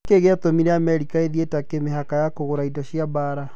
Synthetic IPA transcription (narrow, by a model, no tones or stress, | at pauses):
keɣeatomiɾɛamɛɾikaeðietakemeɦakajakoɣoɾaidɔɕiabaːɾa